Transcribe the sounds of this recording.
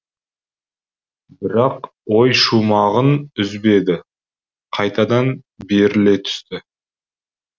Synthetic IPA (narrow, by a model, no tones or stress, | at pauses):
bɪɾɑq | wo̞jʃumɑʁənʏzbe̞d̪ɪ | qʰɑjt̪ɑd̪ɑn | be̞ɾɪle̞t̪ʰʏ̥st̪ɪ